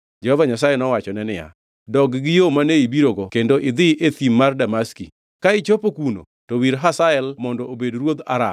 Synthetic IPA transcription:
d͡ʒɛhɔvaɲasajenɔwat͡ʃɔnɛnɪja̰ | dɔɡɡɪjomaneibiɾoɡokendoʔɪd̪ɪʔet̪imːardamaski | kaɪt͡ʃopokuno̰ | tɔwiɾɦasaɛlmɔndɔobedɾwod̪a̰ɾa̰

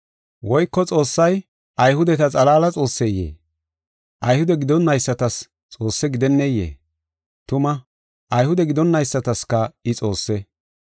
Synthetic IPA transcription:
wɔjkːɔt͡sʼo̞ːsːɐj | ʔɐjhʊd̪ɛt̪ɐt͡sʼɐlaːlɐt͡sʼo̞ːsːejḛː | ʔɐjhʊd̪ɛɡɪd̪ɔnːɐjsːɐt̪ɐs | t͡sʼo̞ːsːɛɡɪd̪ɛnːɛjːḛː | t̪ʊmɐ | ʔɐjhʊd̪ɛɡɪd̪ɔnːɐjsːɐt̪ɐskɐɪt͡sʼo̞ːsːɛ

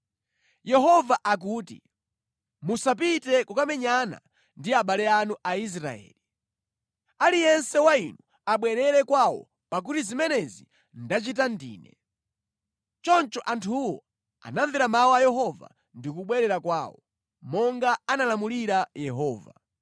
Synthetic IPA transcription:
jɛɦɔvaʔak̬uːtḭ | musap̬itɛkukamɛɲana̰ | ndiaɓalɛanuʔais̬ɾa̰ɛ̰ːli | alijɛnsɛwainu | aɓwɛɾɛɾɛkwawɔ̰ | pak̬utizimɛnɛzi | ndat͡ʃit̬andḭːnɛ̰ | t͡ʃɔnt͡ʃɔʔantʰuwɔ | a̰naɱviɾamawɔajɛɦɔva̰ | ndik̬uɓwɛɾɛɾakwa̰ːwɔ̰ | mɔŋɡaanalamuliɾajɛɦɔːva̰

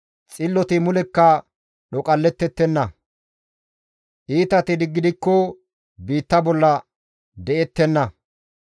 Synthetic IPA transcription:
t͡sʼɪlːɔt̪ɪmʊlɛkːɐ | ɗɔkʼɐlːɛt̪ːɛt̪ːɛnːɐ | ʔiːt̪ɐt̪ɪd̪ɪɡːɪd̪ɪkːɔ | biːt̪ːɐbɔlːɐ | d̪ɛʔɛt̪ːɛnːɐ

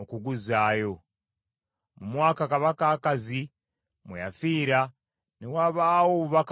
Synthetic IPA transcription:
okuɡuzaːjo̞ | mumwaːkakaβakaːkazi | muja̰fiːɾa | niwaːβaːwouβak

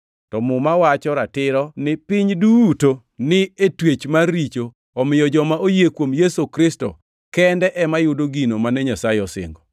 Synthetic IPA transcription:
tɔmʊmawat͡ʃɔɾatɪɾɔnɪpɪɲduto | nɪetwet͡ʃmaːit͡ʃoː | mɪjɔd͡ʒɔmaojekwomjesokɾɪstɔ̰ | kɛndɛʔɛmajʊdoɡinomanɛɲasajɪɔsɪ̰ŋɡɔ

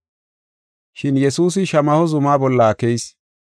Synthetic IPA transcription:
ʃɪnjɛsuːs̬ɪʃɐmɐhɔzʊmaːbɔlːɐːkɛjs

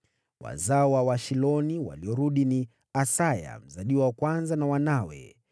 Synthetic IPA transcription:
wa̰zaɔwawaʃilɔniwa̰liɔɾuɗini | asaja̰m̩zaɗiɔwakwanzanawanawɛ̰

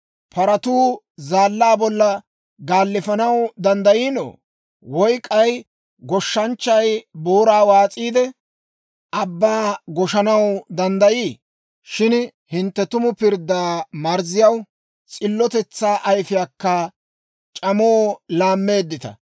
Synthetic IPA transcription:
pɐɾɐt̪uː | zaːlːaːbɔlːɐ | ɡaːlːɪfɐnɐwd̪ɐnd̪ɐjiːno̰ː | wɔjkʼːɐj | ɡɔʃːɐnt͡ʃːɐjboːɾaːwaːt͡sʼiːd̪ɛ | ʔɐbːaːɡɔʃɐnɐwd̪ɐnd̪ɐjiː | ʃɪn | hɪnt̪ːɛt̪ʊmʊpɪɾd̪aːmɐɾzɪjɐw | t͡sʼɪlːɔt̪ɛt͡sːaːʔɐjfɪjaːkːɐ | t͡ʃʼɐmoːlaːmːe̞ːd̪ːɪt̪ɐ̰

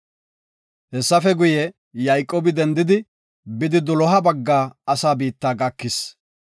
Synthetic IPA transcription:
hɛsːɐfɛɡʊjɛ | jɐjkʼːoːbɪd̪ɛnd̪ɪd̪ɪ | bɪd̪ɪd̪ʊlɔɦɐbɐɡːaːɐsaːbiːt̪ːaːɡɐkːɪs

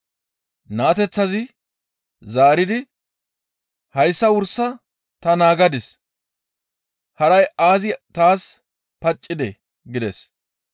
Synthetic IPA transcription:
naːt̪ɛt͡sːɐzɪ | zaːɾɪd̪ɪ | hɐjsːɐwʊɾsːɐ | t̪ɐnaːɡɐd̪ɪs | hɐɾɐjaːzɪt̪aːs | pɐt͡ʃʼːɪd̪ɛ | ɡɪd̪ɛs

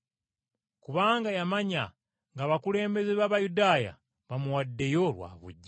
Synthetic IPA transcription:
kuβaːŋɡajamaɲa | ŋɡaːβakule̞ːmbe̞zeβaβajudaːja̰ | βamuwadːe̞jo̞lwa̰ːβṵɟːa

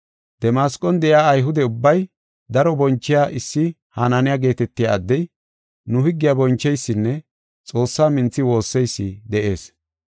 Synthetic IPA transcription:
d̪̥ɛmaːskʼːɔnd̪ɛʔaːjɦʊd̪ɛʊbːɐj | d̪ɐɾɔbɔnt͡ʃːɪjaːʔɪsːɪ | haːnanɪjaɡe̞ːt̪ɛt̪ːɪjaːd̪ːɛj | nʊhɪɡːɪjabɔnt͡ʃːɛjsːɪnːɛ | t͡sʼo̞ːsːaːmɪnt͡sːɪwo̞ːsːɛjsːɪd̪ɛʔe̞ːs

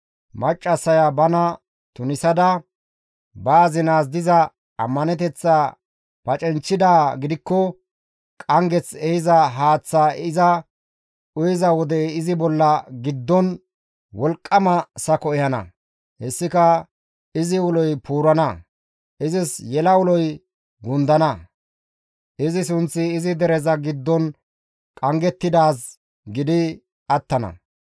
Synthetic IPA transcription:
mɐt͡ʃʼːɐsɐjabɐnɐ | t̪ʊnɪsɐd̪ɐ | baːzɪnaːs̬d̪ɪzɐ | ɐ̰mːɐnɛt̪ɛt͡sːa | pɐt͡ʃʼɛnt͡ʃːɪd̪aːɡɪd̪ɪkːɔ | kʼɐŋɡɛt͡sɛhɪzɐɦaːt͡sːaːɪzɐ | ʔʊjɪzɐwɔd̪ɛɪzɪbɔlːɐɡɪd̪ːɔn | wɔlkʼːɐmɐsɐkɔɪjɐnɐ̰ | hɛsːɪkɐ | ɪzɪʊlɔjpʰuːɾɐnɐ | ʔɪzɪsjɛlɐʊlɔj | ɡʊnd̪ɐnɐ | ʔɪzɪs̬ʊnt͡sːɪːzɪd̪ɛɾɛzɐɡɪd̪ːɔn | kʼɐŋɡɛt̪ːɪd̪aːs | ɡɪd̪ɪ | ʔɐt̪ːɐnɐ̰

